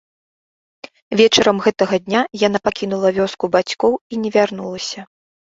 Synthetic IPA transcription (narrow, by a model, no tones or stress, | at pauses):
vʲɛt͡ʂɐɾɐmɣɛt̪ɐɣɐd̪ʲnʲajan̪apakʲinulˠɐvʲɔskubat͡sʲkɔwinʲɛvʲarnulˠɐsʲɐ